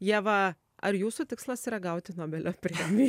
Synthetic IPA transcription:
jiɛʋɐ | ɐɾjuːsuːt̪ʲɪkslˠɐsiːɾɐɡɐʊt̪ʲɪnoːbʲɛlʲoːpʲɾʲeɛmʲiː

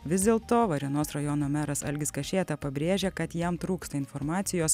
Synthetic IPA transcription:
ʋʲɪzd̪ʲeːlˠt̪oːʋɐɾʲiɛnoːsɾɐjɔnoːmʲæːɾɐsɐ̰lʲɡʲɪskɐʃʲeːt̪ɐpɐbʲɾʲeːʒʲekɐt̪jɛmt̪ɾuːkst̪ɐɪnfɔɾmɑːt̪sʲɪjoːs

